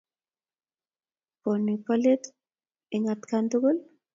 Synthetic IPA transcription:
ponipalet̪ | iŋat̪kand̪uɡol

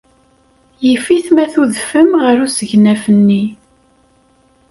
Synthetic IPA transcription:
jəfiθmæθuðfəmʁəɾusəʝnæfənːi

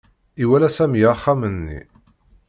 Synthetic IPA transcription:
iwælæsæmjəχːamənːḭ

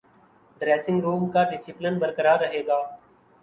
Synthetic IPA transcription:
ɖɾɛːsɪ̃ŋɡɾuːmkaːɖɪsɪplɪnbəɾkəɾaːɾəɦeːɡaː

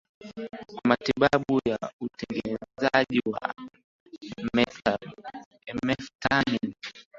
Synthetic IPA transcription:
kwamatiɓaɓujautɛŋɡɛnɛzaʄiwa̰ | mɛa | ɛmɛftanin

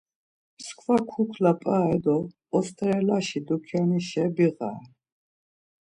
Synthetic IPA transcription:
mskʰvakʰukʰlapʼaɛd̪ɔː | st̪ʼɾɛlaʃid̪ukʰɛniʃɛbiʁa̰

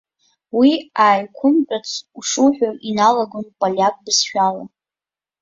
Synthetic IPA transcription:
wiaːjkʷʰʊmpʼat͡sʰuʂuħʷᶣaʔinalaɡonpʼalʲak̚ʼbɨsʃᶣala̰

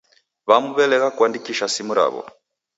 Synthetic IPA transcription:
βamuβɛlɛɣakwandikiʃasimuɾa̰βɔ̰

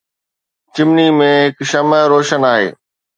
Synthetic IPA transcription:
t͡ɕɪmnimẽɦɪkʃɐməɾoːʃənaːɦḛː

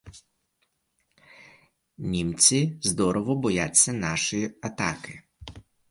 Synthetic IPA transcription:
nʲimt͡sʲizd̪ɔɾɔʋɔbɔjat͡sʲːɐnɑʃiɐt̪ɑkɪ

